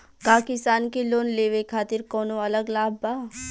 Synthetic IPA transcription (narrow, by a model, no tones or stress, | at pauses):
kaːkɪsaːnkiloːnleːʋekʰaːt̪ɪɾkɔːnoɐləɡlaːbːaː